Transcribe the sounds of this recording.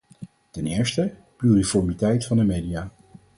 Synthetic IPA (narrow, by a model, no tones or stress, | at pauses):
tɛnɪːɹstəplyrifɔɹmitɛjtfɑndəmeːdijaː